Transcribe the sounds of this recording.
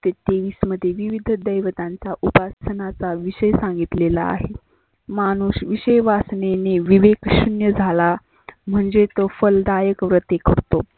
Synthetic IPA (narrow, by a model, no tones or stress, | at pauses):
t̪et̪eʋiːsməd̪ʱːjeʋiʋid̪ʱd̪əjʋət̪ãnt͡saʔupasənat͡saʋiɕəjsãŋɡit̪lela̰a̰ɦe | mañuːɕʋiɕəjʋasneneʋiʋekɕunjəd͡zʱala | m̤əɳd͡zet̪əfəld̪ajəkʋɾət̪ekəɾt̪o